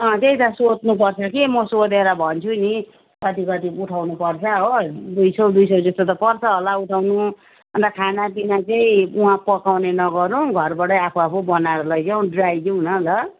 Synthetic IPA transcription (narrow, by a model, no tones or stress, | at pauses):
ʌ̃t̪eĩt̪ʌsotnup̬ʌrt͡sʰʌkimʌsod̪eɾʌbʱʌnt͡sʰuni | kʌt̪ikʌt̪iuʈʰawnupʌrt͡sʰʌɦod̪ujsʌwd̪ujsʌwd͡zʌst̪ot̪ʌpʌrt͡sʰʌɦolauʈʰawnu | bʌnd̪akʰanapinat͡seĩuɦãpʌkawnenʌɡʌɾuɡʱʌrbaʈʌjapʰuapʰubʌnaɾʌlʌɡjaw̃ɖrajd̪inʌlʌ